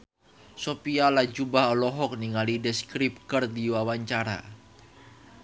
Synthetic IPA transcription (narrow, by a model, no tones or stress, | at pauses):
sopialad͡ʒubaɦɔlɔɦɔk̚niŋalidəskɾip̚kərdiwawaɲt͡ʃaɾa̰